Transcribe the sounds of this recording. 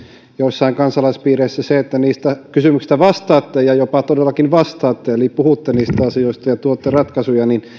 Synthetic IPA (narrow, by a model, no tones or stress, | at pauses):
joisːɑiŋkɑnsɑlɑispiːreisːæseet̪ːæniːst̪ækysymyksi̥st̪æʋɑst̪ɑːt̪ːejjɑjopɑt̪odelːɑkinʋɑst̪ɑːt̪ːeelipuhut̪ːeniːst̪æɑsijoˑist̪ɑjɑt̪uot̪ːerɑt̪kɑsujɑnin